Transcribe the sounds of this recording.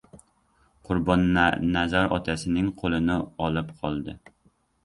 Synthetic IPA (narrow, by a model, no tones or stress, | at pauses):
qʰʊɾbɑnːɛnɛzɑɾɒ̰t̪ʰæsɪnɪŋqʰolˠɨnɪɑlˠɨpqʰɑlˠd̪ɨ